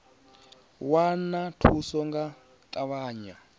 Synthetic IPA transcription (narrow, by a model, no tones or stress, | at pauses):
wanatʰusɔŋɡa | t̪ʼaβaːɲa